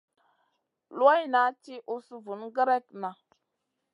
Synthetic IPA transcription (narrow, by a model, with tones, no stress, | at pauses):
lwa˦jna˨˦t͡ʃi˦ʔu˦su˦vu˨nɡə˦ɾe˦tna˨